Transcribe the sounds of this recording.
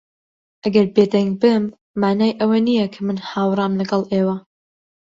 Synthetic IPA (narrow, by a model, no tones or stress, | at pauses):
ʔɐɡɐɾbeːd̪ɐŋɡ̚bɨmː | aːnaːjʔɐwɐnijɐkʰɐmɨnhaːwrˤɑːmlɐɡɐlˠʔeːwɐ